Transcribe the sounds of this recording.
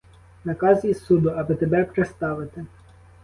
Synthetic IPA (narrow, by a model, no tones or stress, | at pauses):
nɐkɑzʲjisud̪ʊɑbɪt̪ebɛpɾest̪ɑʋɪt̪ɪ